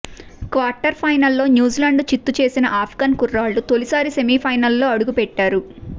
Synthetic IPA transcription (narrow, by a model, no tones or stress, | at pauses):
kʋaːɾʈɐɾpʰɐjnɐlːo̞ːnjuːzilɐɳɖt͡ʃit̪ːut͡ʃe̞ːsinɐʔaːpʰɡaːnkurːaːlːut̪o̞lisaːɾisemiːpʰɐjnɐlːo̞ːɐɽuɡupɛʈːaːɾu